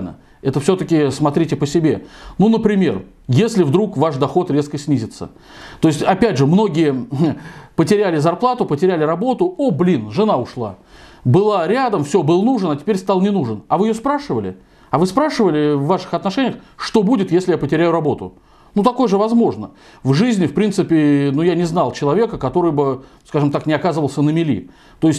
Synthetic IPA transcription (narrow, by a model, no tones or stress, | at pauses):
nə̰ | ɛt̪əfsʲot̪əkʲɪsmɐt̪ɾʲitʲɪpəsʲɪbʲe̞̰nunəpɾʲɪmʲe̞̰r | jesʲlʲɪvd̪ɾukvaʂd̪ɐxo̞t̪ɾʲe̞skəsʲnʲizʲɪt̪sə̰ | t̪o̞ɪsʲtʲɐpʲædʲʐɨmno̞ɡʲɪjə | pətʲɪɾʲælʲɪzɐrplˠat̪ʊpətʲɪɾʲælʲɪɾɐbo̞t̪ʊoblʲinʐɨnaʊʂlˠa̰ | bɨlˠaɾʲæd̪əmfsʲobɨlˠnuʐɨnɐtʲɪ̥pʲeɾʲst̪ɑlˠnʲɪnuʐɨnɐvɨjɪjospɾaʂɨvəlʲɪ̰ | ɐvɨspɾaʂɨvəlʲɪvːaʂɨ̥xɐt̪nɐʂɛnʲɪjəxʂt̪o̞budʲɪt̪jesʲlʲɪjapətʲɪɾʲæjʊrɐbo̞t̪ʊ̰ | nut̪ɐko̞jəʐɨvɐzmo̞ʐnə | vʐɨzʲnʲɪfpɾʲint̪sɨpʲɪnujanʲɪznɑlˠt͡ɕɪlˠɐvʲe̞kəkɐt̪o̞ɾɨjbɨ | skaʐɨmt̪aknʲɪɐkazəvəlˠsʲənəmʲɪlʲḭ | t̪o̞ɪsʲtʲ